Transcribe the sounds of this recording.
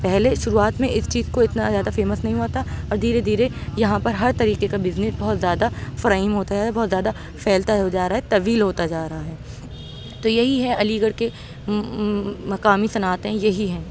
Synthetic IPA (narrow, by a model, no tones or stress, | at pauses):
pɛɦleʃʊɾuaːt̪mẽʔɪst͡ʃiːzkoɪt̪nazjaːd̪afeːməsnɐɦĩɦoːt̪aɔːɾd̪ʱiːɾed̪ʱiːɾejɐɦãpɐɾɦɐɾt̪ɐɾiːqekabɪznɪsbɐɦʊt̪zjaːd̪afɐɾaːimɦoːt̪aaːd̪bɐɦːt̪zjaːd̪a | fɛːlt̪aɦod͡ʒaːɾaːɦɛt̪ɐʋiːlɦoːt̪ad͡ʒaːɾɐɦaɦɛː | t̪ojɐɦiɦɛʔɐliːɡəɾke | mɐqaːmisɐnaːt̪ẽjɐɦiɦɛ̃ː